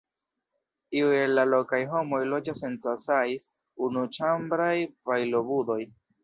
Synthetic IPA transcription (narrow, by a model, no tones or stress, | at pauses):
iue̞lːalo̞kajɦo̞mo̞jlo̞d͡ʒase̞nt͡sasajs | unut͡ʃambɾajpajlo̞budo̞j